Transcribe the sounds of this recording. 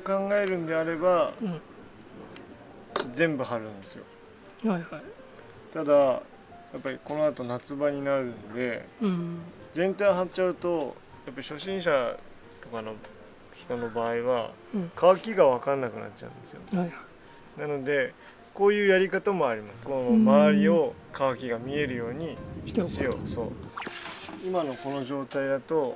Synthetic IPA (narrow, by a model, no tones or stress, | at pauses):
kãŋɡae̞ɾɯ̟̃nd̪e̞aɾe̞ba | zẽ̞mbɯ̟ɦaɾɯ̟̃nd̪e̞sɨjo̞̰ | ha | t̪ad̪a | japːaɾʲiko̞no̞at̪o̞nat͡sɨbaɲ̟inaɾɯ̟̃nod̪e̞̰ | zẽ̞nt̪ajɦatt͡ɕaɯ̟t̪o̞ | japːaɾiɕo̞ɕĩɰ̃ɕa | t̪o̞kano̞ | çi̥t̪o̞no̞baːiβa̰ | kaakʲiɡaβ̞akãnːakɯ̟na̰t͡ɕt͡ɕːa̰ɯ̟̰nd̪e̞sɨjo̞̰ | nano̞d̪e̞ | ko̞ːjɯ̟ːjaɾʲikat̪amo̞aɾʲimasɨ̥koomaaɾʲio̞ | kaβakʲiɡamʲie̞ɾɯ̟jo̞ːɲ̟iɕijoso̞̰ː | imano̞ko̞no̞ʑo̞ːt̪aid̪at̪o̞